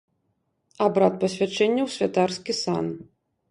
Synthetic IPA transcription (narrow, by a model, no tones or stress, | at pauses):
abɾat̪̚pɐsʲvʲat͡ʂɛnʲːɐwsʲvʲat̪arskʲisa̰n